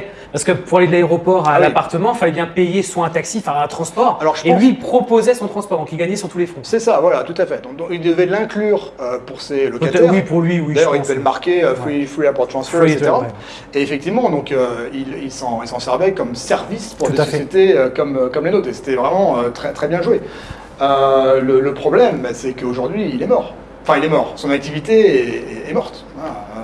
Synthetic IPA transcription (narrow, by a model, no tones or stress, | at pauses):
paʁsə̥kəpuʁaled̪əlaeʁɔpɔʁalapaʁt̪əmɑ̃ilfalɛbjɛ̃pejeswãɛ̃t̪aksifɛ̃ɛ̃t̪χɑ̃spɔʁalɔʁʒəelɥipχɔpozɛsɔ̃t̪χɑ̃spɔʁd̪ɔ̃kʲilɡaɲɛsɑ̃t̪ulefχɔ̃sɛsavwalat̪ut̪afɛd̪ɔ̃k̚ild̪əvɛlɛ̃klyːʁøpuʁselɔk̪at̪ɛwipuʁlɥiwid̪ajœʁild̪əvɛləmaʁkʲeøfifχiapɔʁt̪χɑ̃sfɛʁiksset̪eʁa | eefɛk̚t̪ivmɑ̃d̪ɔ̃køililsɑ̃ilsɑ̃sɛʁvɛkɔmsɛʁvispuʁd̪esɔsjet̪eøkɔmøkɔmlenot̪χese̥t̪ɛvʁɛmɑ̃øt̪χɛt̪χɛbjɛ̃ʒwe | ølələpχɔblɛmbasɛkəoʒuʁd̪ɥiːlɛmɔːʁ | ɑ̃fɛ̃ilɛmɔʁsɔ̃nak̚t̪ivit̪eɛɛːmɔʁt̪ | a